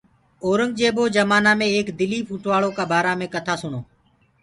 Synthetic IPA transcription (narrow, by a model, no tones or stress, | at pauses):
oːɾəŋɡ̚d͡ʒeːboːd͡ʒəmaːnãːmẽːeːkd̪ɪliːpʰuːʈʰʋaːɭoːkaːbaːɾaːmẽːkət̪ʰaːsʊɳoː